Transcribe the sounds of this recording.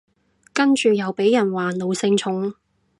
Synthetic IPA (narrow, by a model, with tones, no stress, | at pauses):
kɐ˥nt͡ʃyː˨jɐ˨˧wpe˨˥jɐ˨˩nwaː˨lo˨˧wsɪ˧ŋt͡ʃʰʊ˨˥ŋ